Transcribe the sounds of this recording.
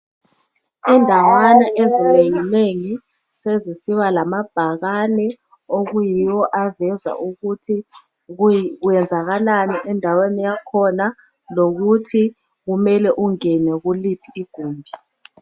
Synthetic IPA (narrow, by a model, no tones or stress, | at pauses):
ɛndʱawanaʔezineŋineŋi | sezisiɓalamab̥ʱak̬anɛ | ok̬ujijɔʔavɛza̰ʔukutʰi | kk̬ujɛnd͡zʱak̬alanɛʔɛndʱawenɛjakʰɔna | lok̬utʰi | k̬umɛlɛʔuŋɛnɛk̬ulipʰiːɡ̥ʱuːmbʱi